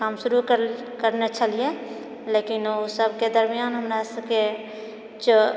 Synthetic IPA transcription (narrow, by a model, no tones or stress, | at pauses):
kaːmʃʊɾuk | kəɾnet͡ʃʰəlije | leːkinosəb̚ʱked̪əɾmijaːnɦəmɾasəbke | t͡ʃ